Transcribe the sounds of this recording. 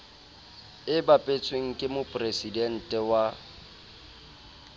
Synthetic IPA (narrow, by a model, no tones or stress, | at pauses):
ɪbapʼet͡sʰʼweŋ̩kʼɪmʊpʼresidɛn̩tʼɛwa